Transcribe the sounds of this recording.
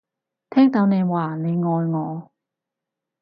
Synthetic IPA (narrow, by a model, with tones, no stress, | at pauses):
t̪ʰɛː˥ŋt̪o˨˥wne˨˧jwaː˨˩ne˨˧jŋɔː˨˧jŋɔː˨˧